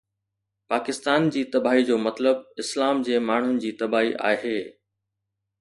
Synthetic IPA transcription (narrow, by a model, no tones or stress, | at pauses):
paːkɪst̪aːnd͡ʑiːt̪ɐbaːɦid͡ʑoːmɐt̪ləb̚ɪslaːmd͡ʑeːmaːɳ̤ʊnɪ̆d͡ʑiːt̪ɐbaːɦiʔa̰ːɦeː